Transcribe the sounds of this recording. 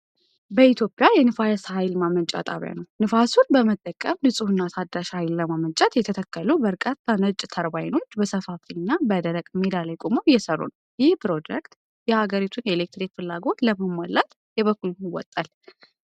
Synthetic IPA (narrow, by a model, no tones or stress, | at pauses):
bəit̪ʰjo̞pʼːjajɛnɨfajashajlmamənt͡ʃʼa̰t̪ʼa̰βja̰nəwnɨfasunbəmət̪ʼːəkʼəmnɨsʼuhɨnːat̪ʰad̪ːaʃhajlːəmamənt͡ʃʼat̪jɛt̪ʰət̪ʰəkːəlubəɾkʼət̪ːanət͡ʃʼt̪ʰəɾbajno̞t͡ʃːbəsəfafinːabəd̪əɾəkʼmed̪alajkʼomojːɛsərːṵnəwjɪɪhpɾo̞d͡ʒɛkt̪ | jɛhaɡəɾit̪ʰuneelek̚t̪ɾikfɨlːaɡo̞t̪ləməmːalːat̪ | jɛβəkːulnɪwːɔ̰t̪ʼːal